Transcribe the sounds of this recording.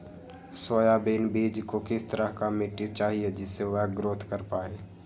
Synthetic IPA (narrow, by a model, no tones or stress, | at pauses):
soːjabeːnbiːd͡ʒkokɪst̪əɾəɦkamɪʈːɪt͡ʃaːɦied͡ʒɪsːeʋɛːɡɾoːt̪ʰkəɾpaːeː